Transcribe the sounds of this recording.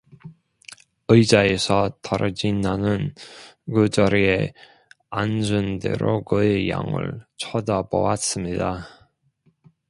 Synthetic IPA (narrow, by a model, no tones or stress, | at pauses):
ɯid͡ʑaesʰʌtʌɾʔʌd͡ʑinːanɯnkɯd͡ʑʌɾie | and͡ʑunde̞̰ɾokɯeja̰ŋɯ̰ɭt͡ɕʰʌdabo̰was͈ɯmɲida